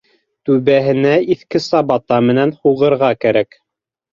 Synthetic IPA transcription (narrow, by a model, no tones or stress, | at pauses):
t̪ʉβæɦɘ̆næiθkɘ̆sɑbɑt̪ɑmɘ̆nænhuʁɤ̆ɾʁɑkæɾæk